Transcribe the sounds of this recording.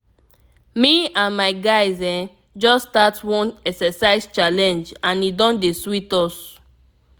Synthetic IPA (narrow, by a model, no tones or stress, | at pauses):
miãnmaɪɡaɪzɛ̃ | d͡ʒɔstatwɔ̃nɛksɛsaɪzt͡ʃalɛ̃nd͡ʒãnidɔ̃ndeswitɔs